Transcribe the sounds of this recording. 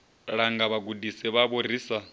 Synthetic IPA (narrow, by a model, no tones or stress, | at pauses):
ɺaŋɡaβaɡudisɛβaβoriːsa